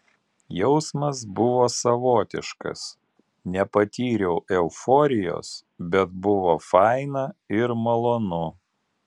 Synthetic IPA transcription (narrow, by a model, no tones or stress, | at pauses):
jɛʊsmɐs̬bʊʋoːsɐʋoːt̪ʲɪʃkɐ̰s | nʲɛpɐt̪ʲiːɾʲɛʊʔɛʊfoːɾʲɪjo̰ːsbʲɛt̪̚bʊʋoːfɑɪnɐɪɾmɐlˠoːnʊ